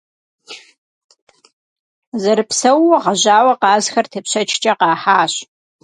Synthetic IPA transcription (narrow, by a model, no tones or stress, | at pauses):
zɐɾɨpsɐwːɔʁɐʑaːwɐqɑːzxɐrtʰɨpɕɐt͡ʃʰt͡ʃʼɐqɑːħaːɕ